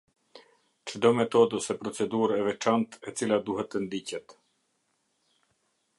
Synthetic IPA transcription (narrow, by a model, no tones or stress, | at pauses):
t͡ʃəd̪ɔmɛt̪ɔd̪ɔsɛpɾɔt͡sɛd̪uɾɛvɛt͡ʃant̪ɛt͡silad̪uɦɛt̪ːənd̪icɛt̪